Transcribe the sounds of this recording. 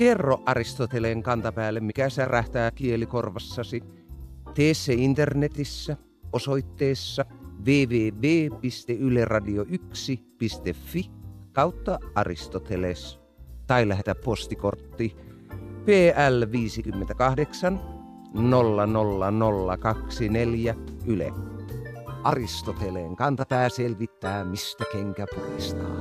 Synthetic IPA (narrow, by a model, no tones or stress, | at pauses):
kerːoʔʔɑrist̪ot̪eleŋkɑnt̪ɑpæːlːemmikæsærʔæht̪æːkielikorʋɑsːɑsi | t̪eːsːeint̪ernet̪isːæ | osoit̪ːeːsːɑʋeːʋeːʋeːpist̪eylerɑdioʔyksipist̪efːikɑut̪ːɑʔɑ̰rḭst̪ot̪eles | t̪ɑilæhet̪æppost̪ikort̪ːi | peːʔælʋiːsikymːent̪ækɑhdeksɑn | nolːɑnolːɑnolːɑkɑksineljæʔylḛ | ʔɑrist̪ot̪eleŋkɑnt̪ɑp̪æːselʋit̪ːæːmist̪ækeŋkæpurḭst̪ɑ̰ː